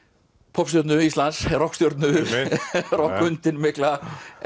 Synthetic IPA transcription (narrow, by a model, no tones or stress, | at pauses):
pʰɔps̬t̪jɔɾt̪nʏist̪lansrɔhkst̪jɔɾt̪nʏ | rɔkʏnt̪ɪnmɪhkla